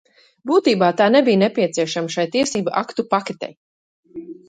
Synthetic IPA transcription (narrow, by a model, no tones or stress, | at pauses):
buːt̪iːbaːt̪aːnebijnepʲiɛsiɛʃamaʃajt̪iɛsiːbaʔa̰kt̪upakʲet̪ʲɛ̰j